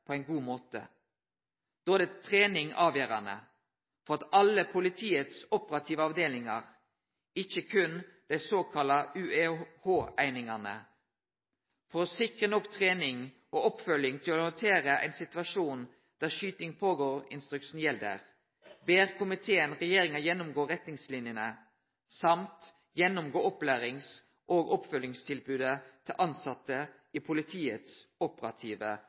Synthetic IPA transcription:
pʰoæɪnɡuːmoːt̪ə̰ | d̪̥oːæd̪eːt̪ʰʁeːnɪŋɑːʋjøːʁɑ̰nə̰ | fɔʁɑt̪ɑləpʰʊlɪt̪ʰiːət̪sʊpəʁɑt̪ʰiːʋəɑʋd̪eːlɪŋɑ̰ʁ | ɪçəkʰʉnd̪̥æɪsoːkʰɑlɑʔʉːehoːʔæɪnɪŋɑnə̰ | fɔʁsɪkʁənɔkt̪ʰʁeːnɪŋ | ʔoːʔɔpfœljɪŋt̪ʰɪlɔhɔnt̪ʰeːʁəʔæ̰ɪnsɪt̪ʉʋɑʂuːn | d̪̥æːʁʃyːt̪ɪŋpʰoːɡoːɾɪ̰nst̪ʁʉkʃn̩jɛld̪ə̰ʁ | beːʁkʊmɪt̪ʰeːənʁɛjeːʁɪŋɑjɛnːʊmɡoːʁɛt̪nɪŋslɪnjənə | sɑmt̪ | jɛnːʊmɡoːɔplæːʁɪŋs | ʔoːɡɔpfœljɪŋst̪ʰɪlbʉːd̪ət̪ʰɪlʔɑnsɑt̪ːəʔiːpʰʊlɪt̪ʰiːət̪sɔpəɾɑt̪ʰiːʋə̰

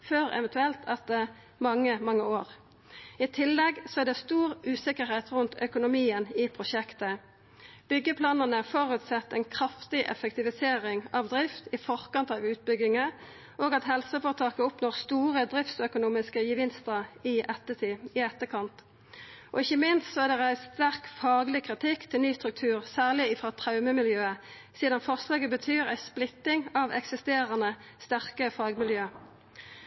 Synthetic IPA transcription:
føːʁɛ̰ʋɛnt̪ʉɛlt̪ʰɑt̪̚d̪ɛ | mɑŋːəmɑŋːəoːʁ | ɪt̪ʰɪlːɛɡsɔæʁd̪ɛst̪uːʁʉːsɪkəʁheɪt̪ʁʉnt̪ʰœkʊnʊmiːənɪpʰʁʊʃɛkt̪ə | b̥ʏɡːəpʰlɑːnənəfɔʁʉt̪sɛt̪ːɛɪnkʰʁɑft̪ɪʔɛ̰fəkt̪ɪʋɪseːɾɪŋɑʋd̪ʁɪft̪ɪfɔʁkɑnt̪ɑʋʉːt̪̚bʏɡɪŋə | ʔoːɡɑt̪ɦɛlsəfoːʁt̪ʰɑːkəʊpnoːʁst̪uːʁəd̪ʁɪft̪sœkʊnuːmɪskəjəʋɪnst̪əʁɪʔɛt̪ːəɪɛt̪ːəkʰɑnt̪ | ʔɔɪçəmɪnst̪sɔæːʁd̪ɛʁæɪst̪æʁkfɑːɡlɪkʰʁɪt̪ʰɪkt̪ʰɪlnyːst̪ʁʉk̚t̪ʰʉːʁsæːʁlɪɪfʁɑːt̪ʰʁɑʉməmɪljøːə | siːd̪ɑnfɔʁslɑːɡəbət̪ʰyːʁæ̰ɪsplɪt̪ːɪŋɑʋɛ̰ksɪst̪eːʁənəst̪æʁkəfɑːɡmɪljøː

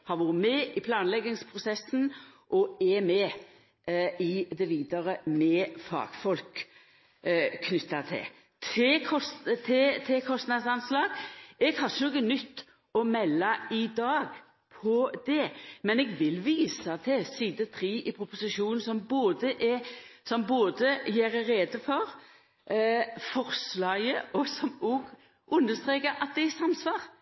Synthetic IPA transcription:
hɑɾʋʊːɾəmɛɪpʰlɑːnlɛɡɪŋspʰʁʊsɛsnʔɔɛmɛː | ɪd̪ɛʋiːd̪əɾəmɛfɑ̰ːɡ̥fɔlk | nʏt̪ːɑt̪ʰɪ̰ | t̪ʰɪkʰɔst̪ʰɪt̪ʰɪkʰɔst̪nɑd̪sɑnslɑːɡ̥ɛɡhɑʁʃənɔɡənʏt̪ː | ɔmɛlːɑɪd̪ɑːɡ | pʰɔd̪̥ɛmɛnɛɡʋɪlʋiːsɑt̪ʰɪsiːd̪ət̪ʰɾiːʔɪpʰɾʊpʊsɪʃuːnn̩sɔmboːd̪əʔɛsɔmboːd̪əjæːɾɾeːd̪əfɔɾ | fɔɾslɑɡəʔɔsɔmɔɡ | ʔʉnːəst̪ʁeːkəɑt̪̚d̪ɛɪsɑmsʋɑːʁ

